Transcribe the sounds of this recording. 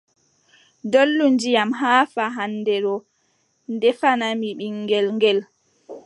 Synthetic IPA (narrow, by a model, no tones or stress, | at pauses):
dolːund͡ʒijamɦaːfaɦandɛɾɔ | ndɛfanamiɓiŋːɡɛlŋɡɛl